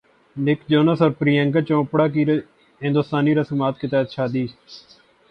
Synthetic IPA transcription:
nɪkd͡ʒoːnəsɔːɾpɾiːə̃ŋɡət͡ʃõːpɽaːk̬iːɾ | ɦɪ̃nd̪ost̪aːniːɾasəmaːt̪̚kɪt̪ɛːt̪ʃaːd̪iː

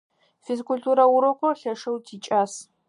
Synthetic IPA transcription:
fezkʷʰultʰuɾɐwʊɾɨqʷʼɔɬɐʂɐwtʰit͡ʃʼaːs

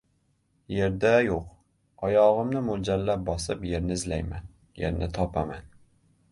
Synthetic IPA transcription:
jeɾd̪ajoq | ɒjɒʁɨmnɪmʊd͡ʒalːap̚bɒsɪpjeɾnɪɪzlajman | jḛɾnɪt̪ʰɒpʰaman

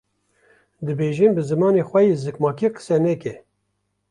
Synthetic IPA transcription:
d̪ɨbeːʒimbɨzɨmɑːnexʷɛjezɨkmɑːkʰiqə̥sɛnɛkɛ

